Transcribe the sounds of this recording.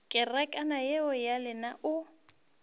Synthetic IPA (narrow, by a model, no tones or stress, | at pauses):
kʼɪrakʼanajɛɔjalɪnaʔʊ